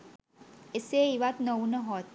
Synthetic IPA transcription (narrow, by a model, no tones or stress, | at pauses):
eseiʋat̪nəunəɦɔt̪̚